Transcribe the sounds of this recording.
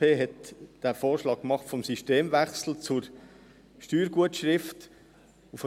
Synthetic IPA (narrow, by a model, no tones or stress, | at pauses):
eːɦɛtd̥æːfoːɾʃlɑːk̚kmɑχtfɔmsiʃteːmʋæχsl̩t͡sʊɾ | ʃtyːɾɡ̥uətʃɾɪft | uf